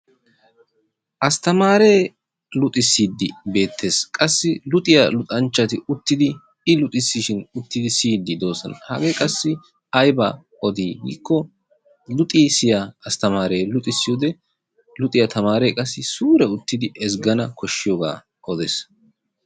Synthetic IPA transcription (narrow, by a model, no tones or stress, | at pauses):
ʔɐst̪ɐmaːɾe̞ː | lʊt̪ʼɪsːiːd̪ːɪbe̞ːt̪ʰːe̞ːskʼɐsːɪlʊt̪ʼɪjɐlʊt̪ʼɐnt͡ʃːɐt̪ɪʊt̪ːɪd̪ɪ | ɪlʊt̪ʼɪsːɪʃɪnʊt̪ːɪd̪ɪsiːd̪ːɪd̪o̞ːsɔ̰nɐhɐɡeːkʼɐsːɪ | ɐjbaː | ɔd̪iːɡḭːkːɔ | lʊt̪ʼiːsɪjaɐst̪ɐmaːɾeːlʊt̪ʼɪsːɪjoːd̪ɛ | lʊt̪ʼɪjɐt̪ʰɐmaːɾeːkʼɐsːɪsuːɾɛʊt̪ːɪd̪ɪʔɛsɡɐnɐkʰɔʃːɪjoːɡa̰ː | ʔɔd̪ɛs